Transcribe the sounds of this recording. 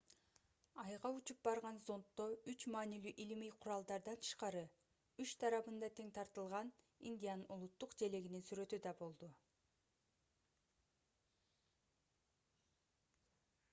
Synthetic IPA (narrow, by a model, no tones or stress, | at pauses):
ɑjʁɑut͡ʃup̚bɑɾʁɑnzo̞nt̪ːoyt͡ʃmɑːnilyʔilimijqʰuɾɑlˠd̪ɑɾd̪ɑnt̪ʰɯ̥ʃqɑɾɯ | yt͡ʃt̪ʰɑɾɑβɯnd̪ɑt̪ʰe̞ŋt̪ʰɑɾt̪ɯlˠʁɑn | ḭnʲd̪ʲijanɯnulˠut̪ːuqd͡ʒe̞le̞ɡininsyɾø̞t̪yd̪ɑbo̞lˠd̪u